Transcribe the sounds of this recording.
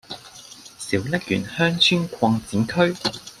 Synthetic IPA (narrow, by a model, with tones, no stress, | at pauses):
siː˨˥wjɐ˥k̚jy̰˨˩nhœː˥ŋt͡ʃʰyː˥nkʷʰɔː˧ŋt͡siː˨˥nkʰɵ˥ɥ